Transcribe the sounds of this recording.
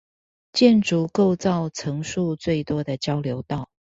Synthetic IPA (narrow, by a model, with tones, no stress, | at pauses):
t͡ɕjɛ˥˨nʈ͡ʂu˨˦ko˥˧ʊt͡sɑ˥˨ʊt͡sʰɤ˧˥ŋʂu˥˧t͡swe˥˩ɪt̪wɔ˥d̪ə˨t͡ɕjɑ˥ʊljo˨˧˥ʊt̪ɑ˥˨ʊ